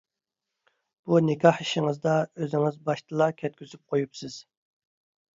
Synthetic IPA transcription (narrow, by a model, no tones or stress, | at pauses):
b̥unɪkʲʰɑhiʃɪŋɨzd̪ɑøzɪŋɪzbɑʃt̪ʰɨlˠɑkʲʰɛt̪̚kʲʰyzyp̚qʰojupsɨz̥